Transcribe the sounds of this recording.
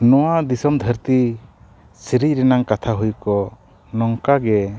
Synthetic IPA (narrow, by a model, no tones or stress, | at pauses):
nɔwad̪isɔmd̪ʱəɾt̪i | siɾiɾɛnaŋkat̪ʰaɦujkɔ | nɔŋkaɡɛ